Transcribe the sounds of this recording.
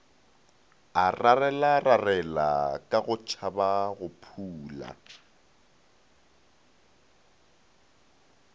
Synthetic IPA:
ararɛlararɛlakʼaɣʊt͡ʃʰabaɣʊpʰuːla̰

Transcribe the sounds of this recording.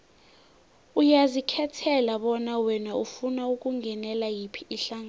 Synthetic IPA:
ujazikʰɛtʰɛlaɓɔnawɛnaufunauk̬ʼuŋɛnɛlajipʰiiɬaŋa

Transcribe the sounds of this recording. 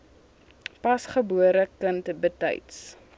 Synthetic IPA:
pɐsχəbuəɾəkəntbətɛ̰jts

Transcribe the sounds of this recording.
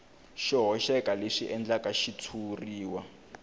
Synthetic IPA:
ʃiɦɔʃɛkʼaleʂiʔɛnd͡ɮakʼaʃitʰuriːwa

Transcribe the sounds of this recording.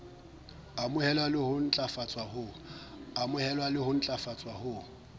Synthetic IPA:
amʊhɛlwalɪhʊn̩t͡ɬʼafat͡sʼwahʊ | amʊhɛlwalɪhʊn̩t͡ɬʼafat͡sʼwahʊ

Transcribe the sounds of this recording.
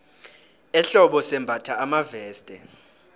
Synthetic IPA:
ɛɬɔɓɔsɛmbʱatʰaamavɛːstʼɛ̰

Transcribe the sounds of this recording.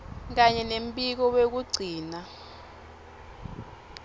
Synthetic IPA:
k̬aɲɛnem̩pʼik̬ɔwek̬uɡ͡ǀʱiːna

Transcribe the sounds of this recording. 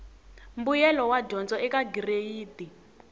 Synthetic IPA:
mbujɛlɔwaɟɔnd͡zɔɛkaɡirejiːti

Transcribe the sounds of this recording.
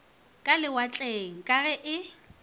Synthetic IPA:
kʼalɪwat͡ɬʼeŋ̩kʼaɣɛʔɪ

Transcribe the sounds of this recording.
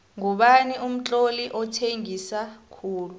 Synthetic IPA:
ŋuɓanium̩t͡ɬʼoliʔɔtʰeŋisakʰuːlu

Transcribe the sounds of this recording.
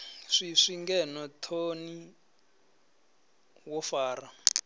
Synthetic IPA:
ʂiʂiŋɡɛnɔtʰoni | wɔfaːra

